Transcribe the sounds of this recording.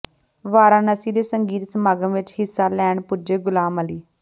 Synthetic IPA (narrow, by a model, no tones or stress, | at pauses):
ʋaːɾaːnəsiːd̪eːsəŋɡiːt̪səmaːɡəmʋɪt͡ʃɦɪsːaːlɛːɳpʊd͡ʒeːɡʊlaːməliː